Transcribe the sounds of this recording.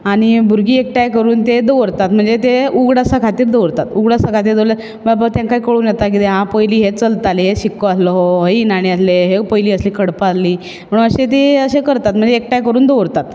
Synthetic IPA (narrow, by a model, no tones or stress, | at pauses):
aɽ̃ibʱuɾɡiːek̚ʈajkəɾuːnt̪ed̪əʋɾt̪at̪̚m̤əɳd͡zet̪euɡɽasakʰat̪iːɾd̪əʋɾt̪at̪uɡɽasakʰat̪iːɾd̪oɾa | babat̪jãŋkajkəɭuːnjɛt̪ak̬it̪eɦãpəjliːɦet͡səlt̪aleɦeɕikːoaslɔɦoɦəinaɽ̃iəsleɦepəjliːəsliːkʰəɽpaliː | m̤əɽunəɕet̪̬eəɕekəɾt̪at̪m̤əɳd͡zeːk̚ʈajkəɾuːnd̪oʋɾt̪at̪